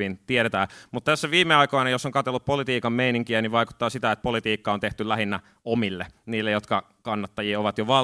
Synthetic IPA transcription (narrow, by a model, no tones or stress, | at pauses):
int̪ieɾet̪æːmut̪t̪æsːæʋiːmːeɑikoinɑjosːoŋkɑt̪elːuppolit̪iːkɑmmeiniŋkiæniʋʋɑiku̥t̪ːɑːsit̪æet̪̚polit̪iːkːɑont̪eht̪ylæhinːæ | omilːeniːlːejot̪kɑ | kɑnːɑt̪ːɑjiːoʋɑt̪joʋɑ